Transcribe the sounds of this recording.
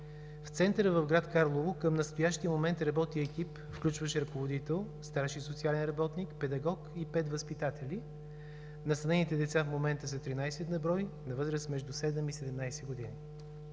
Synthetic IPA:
ft̪sɛnt̪əɾəvəvɡɾat̪kaɾlˠovokəmnəst̪ojaʃt̪iəmomɛnt̪ɾɐbɔt̪iəɛkip | fklʲut͡ʃvəʃɛɾəkovod̪it̪ɛlˠst̪aɾʃisot̪sialɛnɾɐbɔt̪nikpɛd̪ɐɡɔkipɛt̪vəspit̪at̪ɛli | nɐst̪ɐnɛnit̪ɛd̪ɛt̪safmomɛnt̪əsət̪ɾinajsɛd̪nɐbɾɔjnɐvɤzɾəsmɛʒd̪usɛd̪ɛmisɛd̪ɛmnajsɛɡod̪ini

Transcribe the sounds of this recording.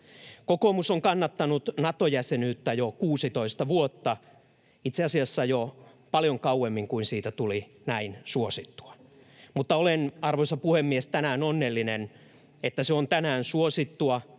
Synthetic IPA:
kokomusoŋkɑnːɑt̪ːɑnut̪nɑt̪ojæsenyːt̪ːæjokuːsit̪oist̪ɑʋuot̪ːɑ | it̪seɑsiɑsːɑjo | pɑljoŋkɑuwemːiŋkuinsiːt̪æt̪uli | næinsuosit̪ːu̥ɑ̥ | mut̪ːɑolenɑrʋoisɑpuhemːiest̪ænæːnonːelːinen | et̪ːæseont̪ænæːnsuosit̪ːuɑ

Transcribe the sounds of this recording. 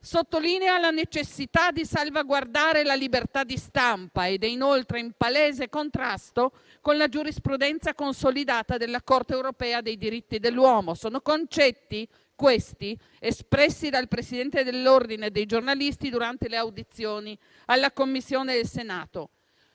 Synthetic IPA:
sot̪ːolinealanet͡ʃesːit̪ad̪isalvaɡward̪aːɾelalibert̪ad̪ist̪ampaed̪ɛinolt̪ɾeimpaleːzekont̪ɾast̪o | konlad͡ʒuɾispɾud̪ɛnt̪sakonsolid̪aːt̪ad̪elːakort̪eːwɾopɛːad̪ejd̪iɾit̪ːid̪elːwɔːmosoːnokont͡ʃɛt̪ːi | kwest̪i | espɾɛsːid̪alpɾesid̪ɛnt̪ed̪elːord̪ined̪ejd͡ʒornalist̪id̪uɾant̪eleawd̪it̪sːjoːni | alːakomːisːjoːned̪elsenaːt̪o

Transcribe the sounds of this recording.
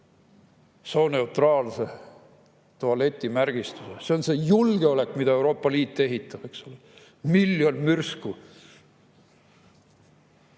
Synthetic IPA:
so̞ne̞ut̪rɑːlse̞ | t̪oɑle̞t̪ʲˑːimærɡ̥ist̪usese̞o̞nse̞julɡ̥e̞o̞le̞kːˑmid̪ɑe̞wɾo̞ːpːɑliːt̪ːe̞ɦit̪ːˑɑb̥e̞ksole | milːjo̞nmyrsku

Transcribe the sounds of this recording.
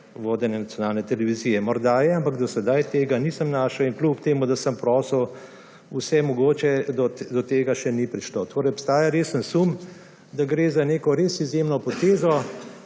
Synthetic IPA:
ʋoːd̪ɛnjɛnatsʲjɔnaːlnɛt̪ɛlɛʋiziːjɛmɔɾd̪ajɛampakd̪ɔsɛd̪ajt̪eːɡanisəmnaːʃɔinklupt̪eːmud̪asəmpɾɔːsəw | usɛmɔɡoːt͡ʃɛd̪ɔd̪ɔt̪eːɡaʃɛnipɾiʃlot̪oːɾɛjɔpst̪aːjaɾeːsənsum | d̪aɡɾeːzaneːkɔɾeːsizjemnɔpɔt̪eːzɔ

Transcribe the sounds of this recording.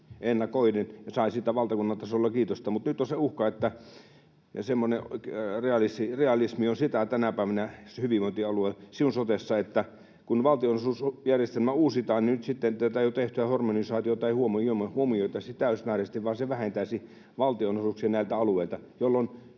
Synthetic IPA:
enːɑkoinenjɑsɑˑisit̪æʋɑlt̪ɑkunːɑnt̪ɑsolːɑkiːt̪ost̪ɑmut̪nyt̪ːoseuhkɑet̪ːæ | semːonereɑlisireɑlismiosit̪æt̪ænæpæˑiʋænæshyʋiʋoˑint̪iɑluesiunsot̪esːɑet̪ːæ | kunʋɑlt̪ionosuˑsjærjest̪elmæuːsit̪ɑːninyt̪sit̪ːent̪æt̪æjot̪eht̪yæhormonisɑːt̪iot̪ɑihuomoomhuomioit̪ɑsit̪æˑysmæːrest̪iʋʋɑːseʋæhent̪æisi | ʋɑlt̪ionosuˑksiɑnæˑilt̪æɑlueilt̪ɑjolːon

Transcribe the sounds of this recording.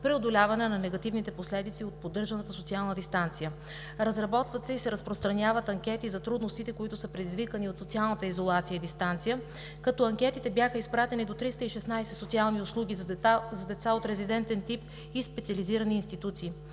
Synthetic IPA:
pɾɛod̪olʲavɐnɛnɐnɛɡɐt̪ivnit̪ɛposlɛd̪it̪siot̪̚pod̪ɤɾʒɐnət̪əsot̪sialˠnəd̪ist̪ant̪sijə | ɾɐzɾɐbɔt̪vət̪sɛisɛɾɐspɾost̪ɾɐnʲavət̪ɐŋkʲɛt̪izɐt̪ɾud̪nost̪it̪ɛkoit̪ʊsəpɾɛd̪izvikəniot̪sot̪sialˠnət̪əizolˠat̪sijəid̪ist̪ant̪sijə | kɐt̪ɔɐŋkʲɛt̪it̪ɛbjaxəispɾat̪ɛnid̪ot̪ɾist̪əiʃɛsnajsɛsot̪sialˠniʊslˠuɡ̟ʲizzɐd̪ɛt̪saot̪ɾɛzid̪ɛnt̪ɛnt̪ip̚ | ispɛt̪siɐliziɾəniːnst̪it̪ut̪siː

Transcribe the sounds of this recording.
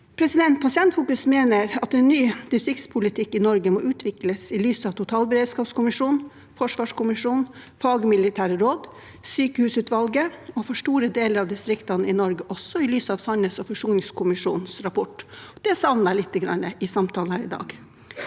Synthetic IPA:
pʰɾɛsɪd̪ɛnt̪̚pʰɑsɪɛnt̪fuːkʉsmeːnəɾɑt̪ɛnːyːd̪ɪst̪ɾɪkt̪spʰʊlɪt̪ʰɪkːɪnɔɾɡəmɔʔʉːt̪ʰʋɪkləsɪlyːsɑʋt̪ʰʊt̪ʰɑːlbəɾeːd̪skɑːpskʊmɪʂuːn | fɔʂʋɑːʂkʊmɪʂuːn | fɑːɡəmɪlɪt̪ʰæːɾəɾoːd̪ | syːkəhʉːsʉːt̪ʋɑlɡəɔfɔʂʈuːɾəd̪eːləɾɑʋd̪ɪst̪ɾɪkt̪ɑnəɪnɔɾɡəʔɔsɔɪlyːsəɑʋsɑnəsɔfɔʂuːnɪŋskʰʊmɪʂṵːnn̩sɾɑpʰɔʈːd̪̥ɛsɑʋnəlɪt̪ːəɡɾɑ̰nːəʔɪsɑmt̪ʰɑːlhæːɾɪd̪ɑ̰ːɡ

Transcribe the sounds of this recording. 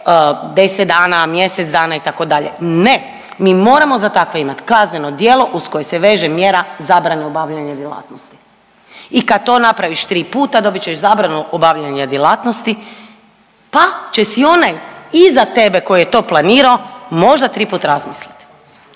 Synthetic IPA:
d̪eset̪̚d̪aːnamje̞set̪zd̪aːnait̪ako̞d̪aʎḛne | miːmo̞ːɾamo̞zat̪akʋe̞imat̪kazneno̞d̪jeːlˠo̞ʔusko̞je̞seʋe̞ːʒemjeɾazaːbɾaneobaʋʎaɲad̪jelˠa̰ːt̪nost̪i̥ | ikad̪̚t̪o̞ːnapɾaʋiʃt̪ɾiːpuːt̪ad̪o̞bit͡ʃeʃzabɾanuʔobaʋʎaɲad̪jelaːt̪nost̪i | pat͡ʃesio̞najizat̪e̞be̞ko̞jijet̪o̞ːplˠaniːɾao̞mo̞ʒd̪at̪ɾiːpuːt̪aɾazmislit̪

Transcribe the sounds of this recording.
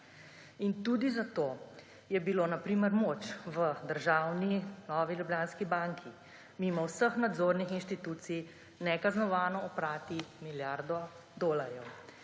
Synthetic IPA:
int̪uːd̪izat̪oː | jɛbiloːnapɾiːməɾmoːt͡ʃʋəd̪əɾʒawninɔːʋiljubljaːnskibaŋkʰi | mimɔwsəxnad̪zoːɾnixinʃt̪it̪uːt̪sij | nɛkaznɔʋaːnɔɔpɾaːt̪imiljaɾd̪ɔ | d̪oːlaɾjɛw

